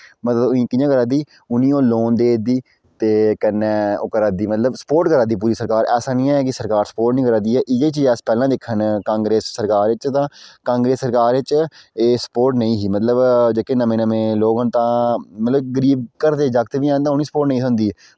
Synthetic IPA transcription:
mət̪ləbnĩːkɪjãːkəɾãːd̪iː | ʊnĩːõːloːnd̪eːd̪iː | t̪eːkənːɛːo̰ːkəɾaːd̪iːmət̪ləbsə̥poːɾʈkəɾaːd̪iːp̬uːɾiːsəɾkaːɾɛːsaːnĩːɛɛːk̬ɪsəɾkaːɾsə̥poːɾʈnĩːkəɾãːd̪iːɛːʔɪjeːt͡ʃiːɛːspɛːlãːd̪eːkʰənkãːŋɡɾeːsːəɾkaːɾʋɪt͡ʃt̪ãːkãːŋɡɾeːsːəɾkaːɾʋɪt͡ʃeːsə̥poːɾʈnəĩːɦiːmət̪ləbd͡ʒeːkeːnəmẽːnəmẽːloːɡənt̪ãːmət̪ləb̚ɡəɾiːb̚kəɾd̪eːd͡ʒəkt̪ʋiːɛ̃ːnt̪aːʊnĩːsə̥poːɾʈnə̃ĩːsənd̪iː

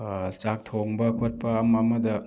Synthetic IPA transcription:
t͡ʃak̚t̪ʰoŋbɐkʰot̚paːmamɐd̪ɐ

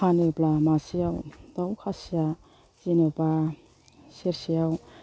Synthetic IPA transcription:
anɯblamasijawdawkʰasija | zinoba | seɾsijaw

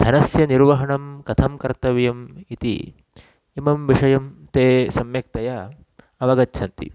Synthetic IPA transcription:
d̪ʱɐnɐsjɐniɾʋɐɦɐɳɐmkɐt̪ʰɐmkɐɾt̪ɐʋjɐmit̪ḭ | imɐmʋiʂɐjɐmt̪eːsɐmjɐk̚t̪ɐjɐ | ɐʋɐɡɐtːt͡ʃʰɐnt̪ḭ

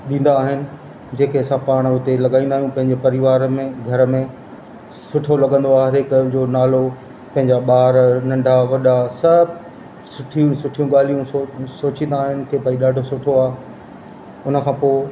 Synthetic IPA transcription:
ɗĩːn̆d̪aːɦɪnɪ̆ | d͡ʑeːkeɐsãpaːɽ̃ʊt̪elɐɠaːĩnd̪aːɦijũpɐ̃ɦɪ̃ɲd͡ʑepɐɾɪʋaːɾmẽɡʱɐɾə̆mẽ | sʊʈʰolɐɠə̃nd̪oaːɾekd͡ʑoːnaːlo | pɐ̃ɦɪ̃ɲd͡ʑaɓaːɾnɐ̃ɳɖʱaʋɐɗasɐb | sʊʈʰiũsʊʈʰijũɠaːl̤ijũsoːt͡ɕĩːnd̪aːɦɪnɪ̆t̪ʰeːpaːiɗaːɖʱosʊʈʰoaːɦe | ʊnə̆kʰãːpoːɪ

